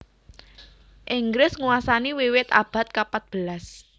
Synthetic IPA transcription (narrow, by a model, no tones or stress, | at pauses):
ʔɪŋɡɾɪsŋuwasaniwiwɪt̪a̰b̥a̤t̪̚kapat̪̚b̥əlas